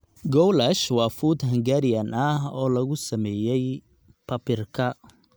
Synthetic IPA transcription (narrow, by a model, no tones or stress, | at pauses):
ɡɔwlɐʃwɑːfuːd̪ɦɐŋɡaɾɪjɐnɐhɔːlɐɣʊsɐmɛːjɛj | pʰɐpɪrkʰɐ